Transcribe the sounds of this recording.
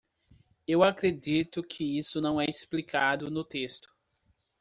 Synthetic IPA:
ewakɾed͡ʒit̪ʊkʰɪisʊnɐ̃w̃ɛisplikʰad̪ʊnʊt̪est̪ʊ̥

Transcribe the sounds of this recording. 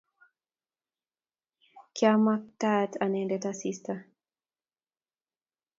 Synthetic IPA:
kjamak̚tatʰanɛndɛtasista

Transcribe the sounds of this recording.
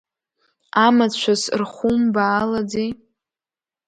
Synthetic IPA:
amat͡ɕʷʰasrχʷumbaːlad͡zej

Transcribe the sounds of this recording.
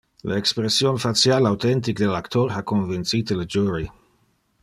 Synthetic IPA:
leekspɾesjonfat̪sjalawt̪ɛnt̪ikd̪elakt̪oɾakonvint̪sit̪ələd͡ʒuɾi

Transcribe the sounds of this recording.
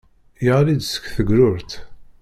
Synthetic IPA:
jəʁlid̪sə̥kθəɡɾʊɾt̪

